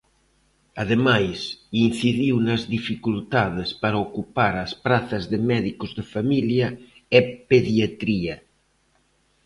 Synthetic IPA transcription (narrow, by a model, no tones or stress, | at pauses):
aðemajsin̟θiðiwnɐzðifikult̪aðespaɾaokupaɾɐspɾaθɐzðemɛðikozðefamilja | epeðjat̪ɾia